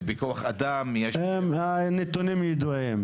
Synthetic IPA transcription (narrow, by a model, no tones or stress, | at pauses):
bekoaχad̪amjeʃemanet̪onimjed̪uim